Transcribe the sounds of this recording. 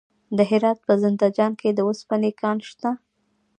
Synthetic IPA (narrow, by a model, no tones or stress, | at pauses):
d̪əɦɪɾɑt̪̚pəzɪnd̪ad͡ʒɑnkʰed̪əospanekɑnʃt̪a